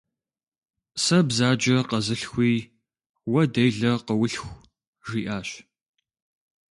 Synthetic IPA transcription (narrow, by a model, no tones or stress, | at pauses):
sɐbzaːd͡ʒɐqɐzɨɬxʷiː | wɐdejɮɐqəwʊɬxʷ | ʒiːʔaːɕ